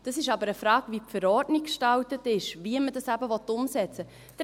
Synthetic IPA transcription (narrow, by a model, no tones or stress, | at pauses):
d̥ɑsɪʃɑbəɾəfɾɑːɡ̥ʋipfəɾɔrdnikkʃtɑwtətɪʃviəmədɑsæbəvɔtʊmsɛt͡sə | d̥